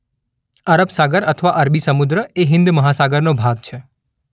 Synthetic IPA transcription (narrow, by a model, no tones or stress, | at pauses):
əɾəbsaɡəɾət̪ʰəʋaʔəɾbisəmud̪ɾəeɦɪ̃nd̪məɦasaɡəɾnobʱaɡ̚t͡ʃʰe